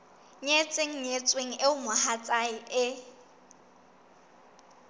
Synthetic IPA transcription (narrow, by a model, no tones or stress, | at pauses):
ɲet͡sʼeŋ̩ɲet͡sʼweŋ̩ɪʊmʊhat͡sʼaɪʔɪ